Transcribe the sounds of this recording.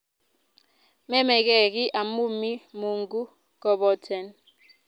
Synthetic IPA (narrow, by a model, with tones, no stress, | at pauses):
mɛ˦mɛ˨k̬ɛ˨k̬i˦ʔa˨mu˦mi˦mu˨ŋɡu˦ | k̬ɔ˦˨ɓɔ˦tʰɛ˨n